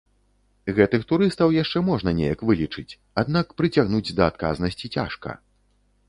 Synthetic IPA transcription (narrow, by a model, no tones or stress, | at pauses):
ɣɛt̪ɨxt̪uɾɨst̪ɐwjaʂt͡ʂɛmɔʐnɐnʲejɐkvɨlʲit͡ʂɨt͡sʲ | ad̪n̪akpɾɨt͡sʲaɣnud͡zʲd̪ɐat̪̚ka̰znɐsʲt͡sʲit͡sʲa̰ʂkɐ̰